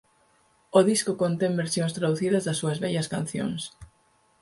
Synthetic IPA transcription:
oðiskokont̪eŋbeɾsjoŋst̪ɾaðuθiðɐzðɐsːuɐzβɛʎɐskanθjo̰ŋs

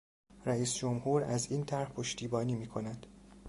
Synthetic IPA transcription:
ɾæiːsd͡ʒomhuːɾæziːnt̪ʰæɾhpʰoʃt̪ʰiːbɒːniːmiːkʰo̞næd̪̥

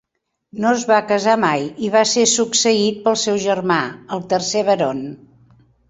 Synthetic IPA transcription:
noəzβakəzamajiβasesuksəit̪̚pəlˠsɛwʒərmaəlˠt̪ərseβəɾon

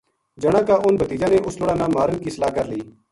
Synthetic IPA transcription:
d͡ʒəɽ̃ãːkaːʔʊnbət̪iːd͡ʒãːnẽːʔʊslʊɽãːnãːmaːɾənkiːsəlaːkəɾliː

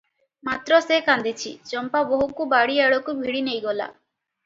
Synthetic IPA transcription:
mat̪ɾɔsekand̪it͡ʃʰḭt͡ʃɔmpaboɦukubaɽieɭɔkubʱiɽinejɡɔla̰

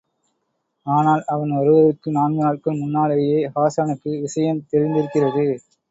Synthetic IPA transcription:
aːnaːlɐʋɐnɐɾɯʋɐðɯkːɯnaːnɡɯnaːɭkɯmʊnːaːɭɐjeːhaːsaːnɯkːɯʋɪʂɐjɐmt̪ɛɾɪnd̪ɪɾɯkːɪrɐðɯ

